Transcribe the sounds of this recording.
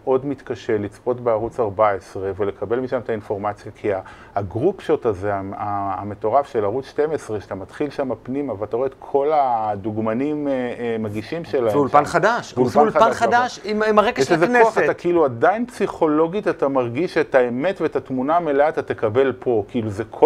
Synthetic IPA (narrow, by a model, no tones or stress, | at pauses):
ʔo̞dmit̪kaʃe̞lit͡spo̞tbeaʁut͡saʁbaesʁe̞vele̞kʰabe̞lmiʃamt̪ainfo̞ʁmat͡sjakʰiaː | ɡʁupʃo̞t̪aze̞aaːme̞to̞ʁafʃe̞laʁut͡sʃte̞mesʁeʃatamat̪χilʃamapnimavelat̪aʁoet̪kʰo̞lad̪uɡmanimmaɡiʃimʃelahemulpanχadaʃvullpaulaaχad̪aʃimimaʁeɡʃezekoaχat̪akiiluadainpsiχo̞lo̞ɡitat̪amaʁɡiʃet̪aeme̞tvetatmunameleatatekabe̞lpʰo̞kiiluzekʰ